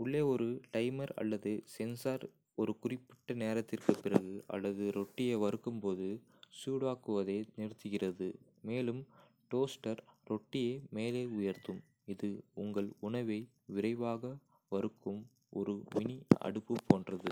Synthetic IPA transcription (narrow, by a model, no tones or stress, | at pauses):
ʊɭːeːɔɾɯʈɐɪmɐɾɐ̰lːɐðɯsɛnsaːɾ | ɔɾɯkʊrɪpːɪ̥ʈːɐneːɾɐt̪ːɪrkɯpːɪrɐɣɯɐ̰lːɐðɯɾɔʈːɪjeːʋɐɾɯkːɯmpoːðɯ | suːɽaːkɯʋɐðeːnɪɾɯt̪ːɯɣɪrɐðɯ̰ | meːlɯm | ʈoːsʈɐɾɾɔʈːɪjeːmeːleːʊjɐɾt̪ɯm | ɪðɯʊŋɡɐɭʊɳɐʋɐɪ | ʋɪɾɐɪʋaːɣɐ | ʋɐɾɯkːɯm | ɔɾɯmɪniɐ̰ɽɯpːɯpoːndrɐðɯ